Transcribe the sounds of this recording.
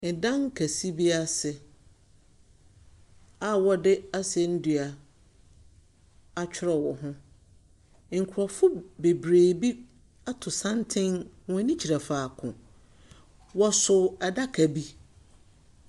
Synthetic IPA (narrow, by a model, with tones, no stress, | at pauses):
n̩˨dã˦ŋ˦kʰæ˨si˦bi˦a˦sɪ˨ | a˦wɔ˦dɪ˦a˦sɪ˨ɛ˨n̩˦dɥa˨ | a˨t͡ɕᶣʰɪ˦ɾɔ˨wɔ˨ɦʊ̃˦ | ŋ̩˨kʰʊ˨ɾɔ˨fʊ˦be˨bɾeː˨bi˦ | a˦tʰʊ˨sã˦ntʰɪ̃˦ŋwɔ̃˨˦nĩ˦t͡ɕʰi˨ɾa˨faː˨kʰʊ̰̃˨ | wɔ˦sʊ˨ɛ˨da˦kʰæ˨bi˦